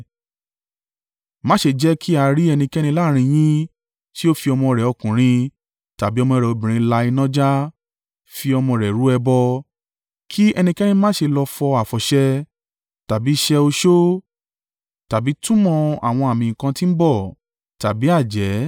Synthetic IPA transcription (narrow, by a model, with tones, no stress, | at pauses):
mã˦ʃe˧d͡ʒɛ˦kʰi˦a˧ɾi˦ɛ˧nĩ˧kɛ˦ñĩ˧la˦˨ɾ̃ĩ˧j̃ĩ˦ | ʃi˦o˦fi˧ɔ˧mɔ̃˧ɾɛ˨ɔ˧kũ˨ɾ̃ĩ˧ | ta˨bi˨˦ɔ˧mɔ̃˧ɾɛ˨o˧bĩ˨ɾ̃ĩ˧˦la˧i˧nɔ̃˦d͡ʒa˦ | fi˧ɔ˧mɔ̃˧ɾɛ˨ɾu˨˦ɛ˧bɔ˧ | kʰi˦ɛ˧nĩ˧kɛ˦nĩ˧mã˦ʃe˧lɔ˧fɔ˧a˨fɔ˨ʃɛ˧ | ta˨bi˨˦ʃɛ˧o˧ʃo˦ | ta˨bi˨˦tũ˦mɔ̃˧a̰˨w̃ɔ̃˧a˨mĩ˧˨kã˧tĩ˦m̩˦bɔ˦˨ | ta˨bi˨˦a˦˨d͡ʒɛ˨˦